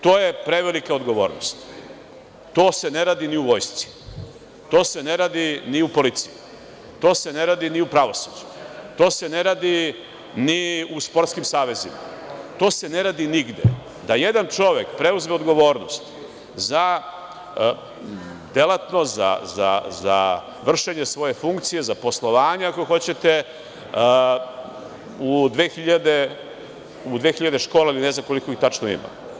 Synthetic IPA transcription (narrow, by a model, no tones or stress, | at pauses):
t̪o̞ːje̞pɾe̞ʋelikaoɡo̞ʋo̞ːɾnost̪ | t̪oːse̞ne̞ɾaːd̪iniuʋo̞jst̪si̥ | t̪o̞ːse̞ne̞ɾaːd̪iniupo̞lit̪siji | t̪o̞ːse̞ne̞ɾaːd̪iniupɾaʋo̞su̥d͡ʒu̥t̪o̞ːse̞ne̞ɾaːd̪i | niuspo̞ɾt̪skimsaːʋe̞zima̰ | t̪o̞ːse̞ne̞ɾaːd̪iniɡd̪ḛ | d̪ajed̪ant͡ʃo̞ʋe̞kpɾe̞uzmeod̪ɡo̞ʋo̞ːɾnost̪ | za | d̪elat̪no̞za̰za̰za̰ | ʋr̩ʃeɲe̞sʋo̞je̞fuŋkt̪sije̞zapo̞slˠo̞ʋaːɲeakoxo̞t͡ɕe̞t̪e̞ | ud̪ʋeːxiʎad̪e | ud̪ʋe̞ːxiʎad̪e̞ʃko̞ːlailine̞znamkolikoixt̪at͡ʂnoḭma̰